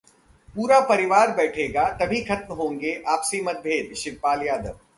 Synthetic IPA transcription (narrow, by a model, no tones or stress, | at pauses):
puːɾapɐɾɪʋaːɾbɛːʈʰeːɡat̪ɐbʱikʰɐt̪mɦõːŋɡeʔaːpsemɐt̪̚bʱeːd̪ʃɪʋpaːljaːd̪əʋ